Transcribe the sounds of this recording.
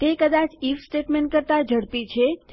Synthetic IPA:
t̪ekəd̪at͡ʃifsʈeʈmeɳʈ̚kəɾt̪ad͡ʒəɽpit͡ʃʰet̪

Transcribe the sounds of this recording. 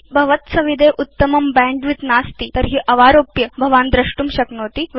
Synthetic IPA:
bʱɐʋət̪sɐʋid̪ʱeʔut̪ːəmɐmbɛ̃ɳɖʋit̪naːst̪iːt̪əɾɦiːʔɐʋaɾopjəbʱɐʋãnd̪ɾɐʂʈuːmɕɐknot̪iːʋ

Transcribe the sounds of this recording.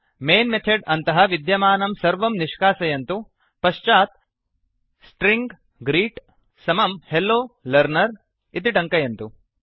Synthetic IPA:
meːnmet̪ʰeɖɐnt̪ɐɦɐʋid̪jɐmaːnɐmsɐɾʋɐmniʃkaːsɐjɐnt̪u | pɐʃt͡ʃaːt̪ | sʈɾiŋɡ | ɡɾiːʈ | sɐmɐmhelːoːlɐɾnɐɾ | it̪̬iʈɐŋkɐjɐnt̪u

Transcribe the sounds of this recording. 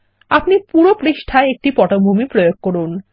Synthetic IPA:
apnipuɾopɾiʃʈʰaeek̚ʈipɔʈobʱumipɾojoɡ̚koɾun

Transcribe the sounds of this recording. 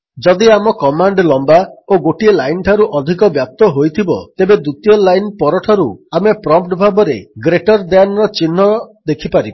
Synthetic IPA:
d͡ʒɔd̪iamɔkɔmaɳɖlɔmbaoɡoʈielajnʈʰaɾuʔɔd̪ʱikɔbjap̚t̪ɔɦojt̪ʰibɔ̰t̪ebed̪ut̪ijɔlajnpɔɾɔʈʰɔɾuamepɾɔmpʈbʱabɔɾeɡɾeʈɔɾd̪eanɔɾɔt͡ʃinːɔd̪ekʰipaɾibɔ

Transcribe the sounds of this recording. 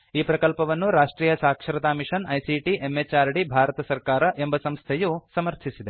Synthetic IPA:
iːpɾɐkɐlpɐʋɐnːuɾaːʂʈɾiːjɐsaːkʂɐɾɐt̪aːmiʂɐnɐjsiʈiʔemːet͡ʃaːɾɖibʱaːɾɐt̪ɐsɐɾkaːɾɐʔembɐsɐmst̪ʰejusɐmɐɾt̪ʰisid̪e

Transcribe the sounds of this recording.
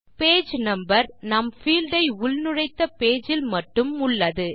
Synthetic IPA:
peːd͡ʒnɐmbɐɾnɐmfiːld̪ɐɪʊɭnɯɻɐɪt̪ːɐpeːd͡ʒɪlmɐʈːɯmʊɭːɐðɯ

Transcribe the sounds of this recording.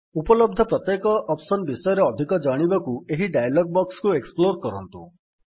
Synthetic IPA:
upɔlɔb̚d̪ʱɔpɾɔt̪jekɔʔɔpsɔnbisɔjɔɾeɔd̪ʱikɔd͡ʒaɽ̃ibakueɦiɖajalɔɡ̚bɔkskueksploɾkɔɾɔ̰nt̪ṵ

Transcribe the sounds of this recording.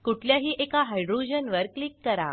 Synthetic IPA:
kuʈʰljaɦiːʔekaɦajɖɾud͡ʑənʋəɾklikːəɾa̰

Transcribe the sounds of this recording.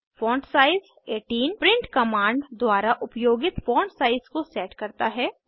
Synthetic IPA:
fõːɳʈsaːɪz | eːʈiːnpɾɪ̃ɳʈkɐmãːɳɖd̪waːɾaʔʊpjoːɡɪt̪fõːɳʈsaːɪzkosɛːʈkɐɾt̪aɦɛː

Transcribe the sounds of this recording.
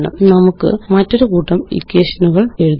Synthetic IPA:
nɐ̰mnɐmukːɨ̰mɐtːo̞ɾukuːʈːɐmḭkːeːʂɐnuɣɐɭe̞ɻuð

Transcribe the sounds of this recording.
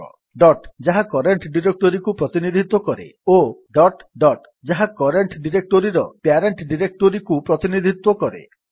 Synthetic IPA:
ɖɔʈd͡ʒaɦakɔɾeɳʈɖiɾek̚ʈoɾikupɾɔt̪inid̪ʱit̪wɔkɔɾḛoɖɔʈɖɔʈ | d͡ʒaɦakɔɾeɳʈɖiɾek̚ʈoɾiɾɔpjaɾeɳʈɖiɾek̚ʈoɾikupɾɔt̪inid̪ʱit̪wɔkɔɾḛ

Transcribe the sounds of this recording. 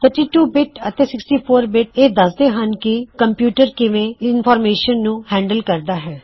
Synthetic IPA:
t̪ʰəɾʈiːʈuːbɪʈət̪eːsɪksʈiːpʰoːɾbɪʈeːd̪əsd̪eːɦənkɪkəmpjuːʈəɾkɪʋẽːɪnpʰɔːɾmeːʃənːũːhɛ̃ːɳɖəlkəɾd̪aːɦɛː

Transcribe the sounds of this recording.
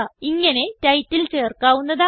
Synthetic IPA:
iŋːɐne̞tɐjtːilt͡ɕe̞ːrkaːʋunːɐðaː

